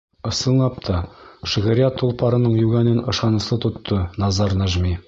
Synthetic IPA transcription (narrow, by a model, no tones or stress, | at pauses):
ɤ̆sɤ̆nnˠɑp̚t̪ʰɑʃĭʁɘ̆ɾijɑt̪ʰːulˠpɑɾɤ̆nɤɴjʉɡænɘnɤ̆ʃɑnɤ̆sɤt̪ŏt̪ʰːɤnɑzɑɾnaʒmi